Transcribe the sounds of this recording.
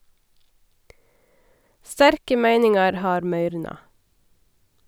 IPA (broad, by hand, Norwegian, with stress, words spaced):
ˈstæɾkə ˈmæɪnɪŋɑɾ ˈhɑːɾ ˈmœʏɾnɑ